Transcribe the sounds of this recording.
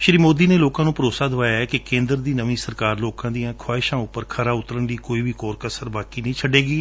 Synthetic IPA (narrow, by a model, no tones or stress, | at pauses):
ʃɾiːmoːd̪iːneːloːkãːnũːpəɾoːsaːd̪ʊʋaːjaːɛːkɪkẽːnd̪ɾd̪iːnəʋĩːsəɾkaːɾloːkãːd̪ijãːkʰwaːɪʃãːʊpːəɾkʰəɾaːʊt̪ɾənliːkoːiːʋiːkɔːɾkəsəɾbaːkiːnəĩːt͡ʃʰəɖeːɡiː